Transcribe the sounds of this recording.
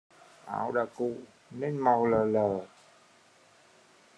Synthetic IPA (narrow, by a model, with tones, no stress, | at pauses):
ʔa̰˧˩˦wɗa̰ː˧˨kṵ˧˨ | ne˧˦nma˨˩wləː˨˩ləː˨˩